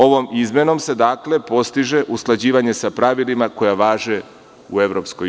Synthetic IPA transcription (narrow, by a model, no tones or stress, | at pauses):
o̞ʋo̞mizme̞no̞mse̞d̪aːkle̞po̞st̪iʒe̞ʔusklˠad͡ʑiːʋaɲe̞sapɾaʋilimako̞jaʋaːʒe | ue̞ʋɾo̞psko